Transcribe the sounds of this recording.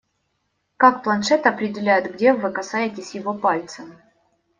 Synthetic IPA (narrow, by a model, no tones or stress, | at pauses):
kakplˠɐnʂɛt̪ɨɐpɾʲɪdʲɪlʲæjʊt̪ɡdʲe̞vɨkɐsajɪtʲɪsʲjɪvopalʲt̪səm